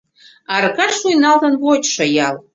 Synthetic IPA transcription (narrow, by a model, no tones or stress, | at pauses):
ɑrɣɑʃujnɑlt̪ə̆nβot͡ɕʃɤ̆jɑlˠ